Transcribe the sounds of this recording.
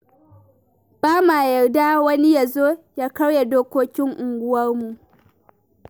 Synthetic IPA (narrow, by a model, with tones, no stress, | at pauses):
b̥aː˦maː˨jɐ˨rda˦wɐ˦ni˦ja˨zoː˦jaː˦kɐ˦wja˨doː˦kʷoː˦kʲɪ˦ŋʔʊ˨ŋɡʷʊ˦wɐ˦rmu˨ʔ